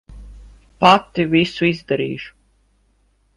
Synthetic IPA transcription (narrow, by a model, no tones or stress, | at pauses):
pat̪ːivisuizd̪ɛɾḭːʒu̥